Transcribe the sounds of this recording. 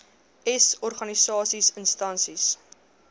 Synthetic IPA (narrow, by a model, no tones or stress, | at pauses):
ɛsɔrχɐnisɑːsisənstɐnsis